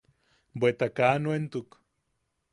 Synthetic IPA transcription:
bwet̪akanuent̪uk

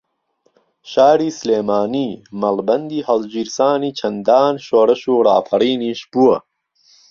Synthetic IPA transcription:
ɕaːɾisleːmaːniːmɐlbɐnd̪iːhɐld͡ʑiɾsaːnit͡ʃʰɐnd̪aːnɕoːɾɐɕuːɾa̰ːfɐɾiːniɕpuɐ

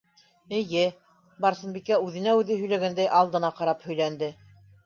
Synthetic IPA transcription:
ɘ̆jɘ | bɑɾsɤ̆nbikæʉðɘ̆næʉðɘɦɵ̆jlæɡænd̪æjʔɑlˠd̪ɤ̆nɑqɑɾɑphɵ̆jlænd̪ɘ

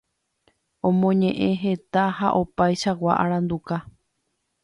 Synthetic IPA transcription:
õ̞mõɲẽ̞ʔẽɦe̞t̪ahaʔo̞pajʃawaʔaɾãnd̪uka

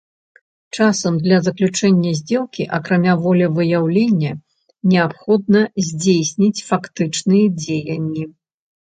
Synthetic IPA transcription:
t͡ʂasɐmd̪lʲɐzɐklʲut͡ʂɛnʲːɐzʲd͡zʲɛlˠkʲiʔɐkɾamʲavɔlʲɐvɨjawlʲenʲːɐ | nʲɛapxɔd̪̚nɐzʲd͡zʲejsʲnʲit͡sʲfakt̪ɨt͡ʂnɨjɐd͡zʲejɐnʲːi

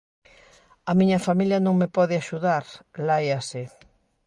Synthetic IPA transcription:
amĩɲɐfamiljɐnõŋmepɔðɪaʃuðaɾlajasɪ

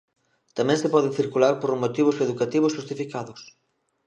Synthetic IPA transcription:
t̪amɛ̃ŋsepɔðɪθiɾkulaɾpoɾmot̪iβ̞ʊseðukat̪iβ̞ʊsʃust̪ifikaðʊs

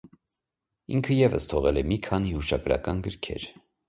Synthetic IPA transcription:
iŋkʰəjɛvə̰st̪ʰɔʁɛlɛmikʰɑnihuʃɑɡɾɑ̰kɑnɡəɾkʰɛ̰ɾ

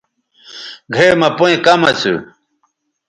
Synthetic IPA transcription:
ɡʱemɐpoĩkɐmɐt͡sʰṵ

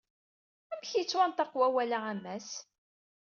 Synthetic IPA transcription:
æmçjət͡sːwænt̪ɑqwæwælaæmːæs

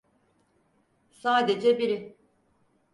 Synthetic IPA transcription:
saːd̪ed͡ʒɛbiɾɪ

